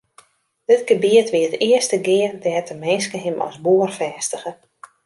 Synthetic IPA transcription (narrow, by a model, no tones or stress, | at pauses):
d̥ɪtɡ̥əbiətʋiətɪəstəɡɪːərdɛːtəmɪnskəɦɪmʔɔ̰sbuərfɛːstəɣə